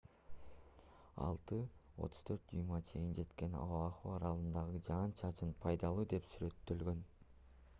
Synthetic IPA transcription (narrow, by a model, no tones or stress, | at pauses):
ɑ̰lˠt̪ɯo̞̰t̪ʰu̥z̥t̪ʰø̞ɾt̪̚d͡ʒujmɑt͡ʃʰe̞jind͡ʒe̞t̪ke̞nɑ̰ɑχuɑɾɑlˠɯnd̪ɑʁɯd͡ʒɑːnt͡ʃʰɑt͡ʃɯnpʰɑjd̪ɑlˠuːd̪e̞psyɾe̞t̪ːø̞lɡø̞n